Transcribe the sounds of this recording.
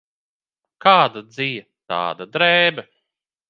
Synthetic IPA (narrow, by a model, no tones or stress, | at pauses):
kaːd̪ad̪zijɐt̪a̰ːd̪ad̪ɾɛːbɛ